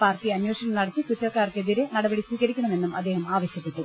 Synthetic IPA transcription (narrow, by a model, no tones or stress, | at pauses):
paːrtiɐnjoːʂɐɳɐmnɐɽɐt̪ːikut͡ɕːɐrkaːrke̞ðiɾenɐɽɐbɐɽiswiːɣɐɾikʲːɐɳɐme̞nːumɐd̪ːe̞ːhɐmaːʋɐɕjɐpːeʈːu